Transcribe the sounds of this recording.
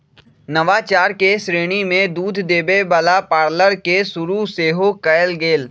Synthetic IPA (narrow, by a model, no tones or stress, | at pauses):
nəʋat͡ʃaːɾkesɾeːɽ̃imẽd̪uːd̪ʱd̪eːbebalapaːɾləɾkesʊɾuseːɦokəjlɡeːl